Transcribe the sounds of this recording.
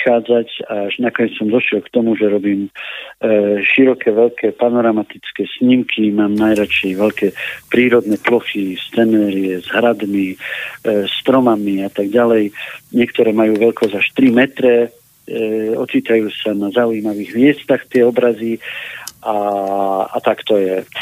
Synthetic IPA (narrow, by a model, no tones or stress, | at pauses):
xaːd͡zacaaʒnakɔɲɛt͡ssɔmd̪ɔʃɪɛlkt̪ɔmuʒɛɾɔbiːm | ʃiɾɔkʰɛʋɛʎkʰɛːpanɔɾamat̪it͡skɛːsɲimkʰimaːmnajɾat͡ʃɛjʋɛʎkɛpɾiːɾɔd̪nɛplɔxist͡sɛnɛːɾɪɛzɦɾad̪mi | st̪ɾɔmamiat̪aɡɟalɛjɲɪɛkt̪ɔɾɛːmajuːʋɛʎkɔzaʃt̪ɾimɛt̪ɾɛ | ɔt͡siːt̪ajuːsanazaujiːmaʋiːɣmɪɛst̪axt̪ɪɛɔbɾaziʔa | a̰t̪akt̪ɔjɛ